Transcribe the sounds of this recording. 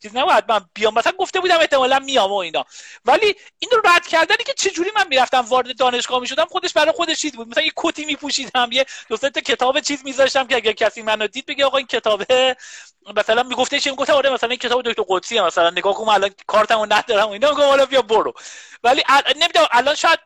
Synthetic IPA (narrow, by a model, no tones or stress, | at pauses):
t͡ʃʰiːzinæbɔjæd̪̚mænb̥ijɒmːæsælænŋɡo̞ft̪e̞buːd̪æme̞ht̪e̞mɒːlænmijɒmo̞iːnɒːvæliiːnoɾæd̪̥cʰæɾd̪ænicʰe̞t͡ʃʰe̞d͡ʒuːɾiːmænmiɾæft̪æmvɒːɾed̪e̞d̪ɒːne̞ʃɡɒːhmiːʃo̞d̪æmχod̪e̞ʃbæɾɒjexo̞d̪eʃdiːd̪̚bud̪̚mæsælænjekʰot̪ʰiːmiːpʰuʃiːd̪æmjed̪̥osent̪ʰocʰe̞t̪ʰɒːbet͡ʃʰiːzmizɒːʃt̪æmcʲʰeæɟæɾcʰæsiːmænod̪iːd̪̚be̞ɟeɒːɣɒːincʰet̪ʰɒːbe | mæsælænmiːɡo̞ft̪eʃʰiemiɡoft̪æmɒːɾemæsælæniːncʰeɒːbeokct̪oɾɡod̪siːemæsælænːeɡɒːhkonmænælɒnkʰɒːɾt̪ʰæmonæd̪ɒːɾæmoiːnɒːmiɡomhɒːlɛbijɒmboɾovæliʔæne̞mid̪æʔælɒnʃɔːjæd̪̚